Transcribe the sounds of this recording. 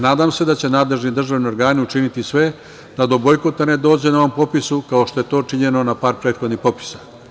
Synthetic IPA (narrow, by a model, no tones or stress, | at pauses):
naːd̪aːmse̞d̪at͡ɕe̞naːd̪le̞ʒnid̪r̩ʒaʋnio̞ɾɡaːniut͡ʃinit̪isʋe̞ | d̪ad̪o̞bo̞jkot̪ane̞d̪o̞ːd͡ʑe̞nao̞ʋo̞mpo̞pisukao̞ʃt̪o̞je̞t̪o̞ːt͡ʃiɲe̞no̞napaːɾpɾet̪xo̞d̪nixpo̞pi̥sḁ